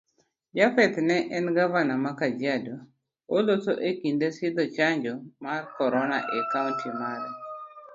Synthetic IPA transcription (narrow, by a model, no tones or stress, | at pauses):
d͡ʒafɛt̪nɛʔɛnɡavanamakad͡ʒjado | olosoʔekindesɪd̪ɔt͡ʃaɲd͡ʒɔmarkɔɾɔnaʔekauntʰimalɔ